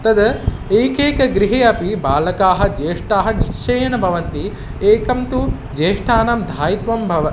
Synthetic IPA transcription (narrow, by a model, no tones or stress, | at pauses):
t̪ɐd̪ɐ | eːkeːkɐɡɾiɦeːɐpibaːlɐkaːɦɐ̆d͡ʒeːʂʈaːɦɐniʃʂʰeːjɐnɐbʱɐʋɐnt̪i | eːkɐmt̪u | d͡ʒeːʂʈʰaːnɐmd̪ʱaːjit̪ʋɐmbʱɐʋɐ